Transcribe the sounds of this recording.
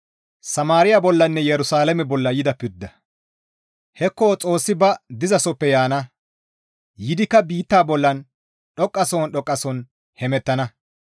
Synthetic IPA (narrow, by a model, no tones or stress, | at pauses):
sɐmaːɾɪjabɔlːɐnːɛjɛɾʊsaːlɛmɛbɔlːɐjɪd̪ɐpːɪɾd̪ːɐ | hɛkːot͡sʼo̞ːsːɪbɐd̪ɪzɐsɔpːɛjaːnɐ | jɪd̪ɪkːɐbiːt̪ːaːbɔlːɐn | ɗɔkʼːɐsoːnɗɔkʼːɐsɔn | hɛmɛt̪ːɐnɐ